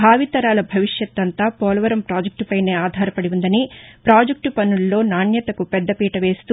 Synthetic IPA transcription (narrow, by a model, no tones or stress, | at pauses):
bʱaːʋit̪ɐɾaːlɐbʱɐʋiʂjɐt̪ːɐnt̪aːpɔːlɐʋɐɾɐmpɾaːd͡ʒɐk̚ʈpɐjne̞ːaːd̪ʱaːɾɐpɐɽiund̪ɐnipɾaːd͡ʒɐk̚ʈpɐnulːo̞ːnaːɳjɐt̪ɐkupɛd̪ːɐpiːʈɐʋe̞ːst̪u